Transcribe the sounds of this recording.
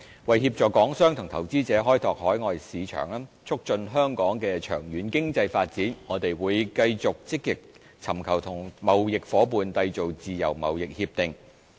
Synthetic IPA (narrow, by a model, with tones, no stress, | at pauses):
wɐ˨jɦiː˧p̚t͡sɔː˨kːɔː˨˥ŋsœː˥ŋt̪ʰʊ˨˩ŋt̪ʰɐ˨˩wt͡siː˥t͡sɛː˨˥ɦɔː˥jt̪ʰɔː˨k̚hɔː˨˥jŋɔː˨˧jsiː˨˧t͡ʃʰœ̰ː˨˩ŋlaː˥ | t͡sʰʊ˥k̚t͡ʃɵ˧nɦœː˥ŋkɔː˨˥ŋkɛː˧t͡ʃʰœː˨˩ŋjyː˨˥nkɪ˥ŋt͡sɐ˧jfaː˧t̚t͡siː˨˥nŋɔː˨˧t̪e˨jwuː˨˧˥jkɐ˧jt͡sʊ˨k̚t͡sɪ˥k̚jɪ˨k̚ | t͡sʰɐ˨˩mkʰɐ˨˩wt̪ʰʊ˨˩ŋmɐ˨˩wjɪ˨k̚fɔː˨˥p̬uː˨˧nt̪ɐ˧jt͡so˨wt͡siː˨jɐ̰˨˩wmɐ̰˨wjɪ˨k̚hiː˧p̚t̪ɪ˨ŋ